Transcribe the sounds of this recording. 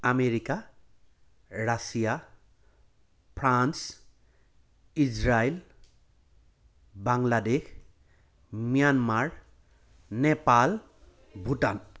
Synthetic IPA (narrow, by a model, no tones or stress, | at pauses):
ameɾika | rasija | pʰɾans | id͡ʒɾajl | baŋladekʰ | mijanmaɾ | nepal | bʱuʈan